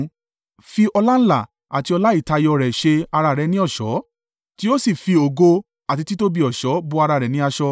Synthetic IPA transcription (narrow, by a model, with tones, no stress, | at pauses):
fi˧ɔ˧la˦la˦˨ | a˨ti˧ɔ˧la˦i˦˨ta˧jɔ˧ɾɛ˨ʃe˧a˧ɾa˧˨ɾɛ˨˧nĩ˦ɔ˦˨ʃɔ˨˦ | ti˦o˦si˦˨fi˧o˨ɡo˧ | a˨ti˧ti˦to˦bi˧ɔ˨ʃɔ˨˦bu˧˦a˧ɾa˧˨ɾɛ˨nĩ˨˦a˧ʃɔ˧